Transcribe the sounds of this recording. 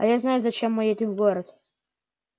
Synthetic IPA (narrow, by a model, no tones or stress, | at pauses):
ɐ̰jaznajʊzɐt͡ɕemːɨjetʲɪvɡoɾət̪